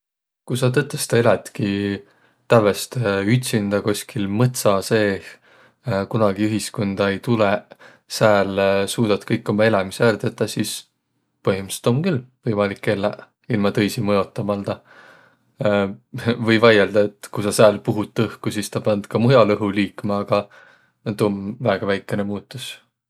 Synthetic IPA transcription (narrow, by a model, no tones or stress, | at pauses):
kusɑt̪̬ɤt̪ˑːest̪ɑelet̪ki | t̪ævest̪yt̪ʲsind̪̥ɑkusʲkʰilmɤt̪sɑse̞ː | kunɑɡ̥iyɦisko̞nd̪̥ɑe̞jt̪ule | sæːlsuːd̪̥ɑt̪kɤjkːˑo̞mɑe̞lɑmiseærd̪̥et̪ːˑɑsis | pɤhimist̪o̞mkylvɤjmɑlikːelːæ | ilmɑt̪ɤjsimɤjo̞t̪ˑːɑmɑld̪ɑ | vɤjvɑjeld̪̥ɑe̞t̪ːkusɑsæːlpuɦut̪ːɤhkusist̪ɑpɑnd̪̥kɑmujɑlɤɦuliːkːmɑːɡ̥ɑ | ned̪o̞nvæːɡ̥ɑvæjkːˑe̞nemuːt̪ːˑus